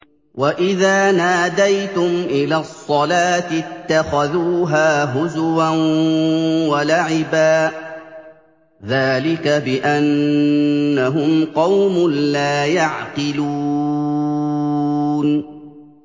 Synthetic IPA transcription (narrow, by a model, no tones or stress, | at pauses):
wʔaʔɪðaːnaːd̪ajt̪ʊmʔɪlaːsˤːɑlaːt̪ɪt̪ːaxaðuːɦaːɦʊzʊwan | walaʕɪbaː | ðaːlɪkabɪʔanː | aɦʊmqɑwmʊnlaːjaʕqɨluː | n